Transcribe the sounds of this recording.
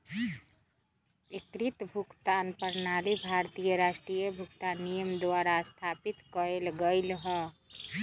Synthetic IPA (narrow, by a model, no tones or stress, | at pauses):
ekɾit̪bʱukt̪anpəɾnalibʱaɾt̪ijəɾasʈɾijəbʱukt̪anijəmd̪waɾast̪ʰapit̪kəɾelɡəɪlɦə